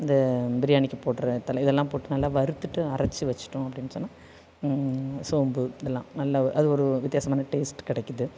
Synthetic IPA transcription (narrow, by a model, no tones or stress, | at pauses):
ɐnd̪ɐbɪɾɪjaːɳɪkːɯpoːʈːɯɾɐt̪ːɐlɐɪðɛlːãːpoːʈːɯnɐlːaːʋɐɾɯt̪ːɯʈːɯɐɾɐt͡ʃːɯʋɐt͡ʃːɪ̥ʈːʊ̃ɐpːɐɽɪnːɯsɔnːaː | soːmbɯðɛlːã̰ːnɐlːaʔɐðɯɔɾɯʋɪt̪ɪjaːsɐmaːnɐʈeːsʈkɪɽɛkːɯðɯ